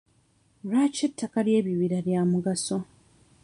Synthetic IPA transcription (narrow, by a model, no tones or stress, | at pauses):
ɾat͡ʃetʰːakalje̞ːβiβiɾaβjaːmuɡaso̞